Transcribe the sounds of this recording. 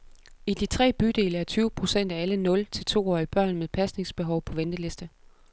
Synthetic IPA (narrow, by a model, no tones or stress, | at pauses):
id̥it͡sʰʁɛ̰ːb̥yd̥e̝̰ːləæɐt͡sʰyːʊəpʰʁo̝sen̰d̥æælənɔ̽lt͡sʰe̝lt͡sʰo̝̰ːɒ̰ːib̥ɶɐ̰nmeðˠpʰæsne̝ŋsb̥e̝ɦɒ̽ʊpʰɒ̽ʋend̥əle̝sd̥ə